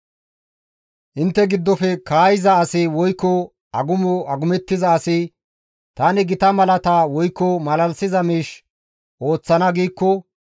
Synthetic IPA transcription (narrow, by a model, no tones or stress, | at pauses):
ʔɪnt̪ːɛɡɪd̪ːɔfɛkaːjɪzɐːsɪwɔjkːɔ | ɐɡʊmɔɐɡʊmɛt̪ːɪzɐːsɪ | t̪aːnɪɡɪt̪ɐmɐlɐt̪awɔjkːɔmɐlɐlsɪzɐmiːʃ | ʔo̞ːt͡sːɐnɐɡiːkːɔ